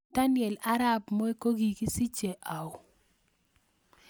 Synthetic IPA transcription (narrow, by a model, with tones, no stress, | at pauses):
d̥a˦nɪ˨ɛ˨la˦ɾa˦bmɔ˦e˦ko˦ɡi˨ki˦si˦t͡ʃe˨ʔa˨ʊ˨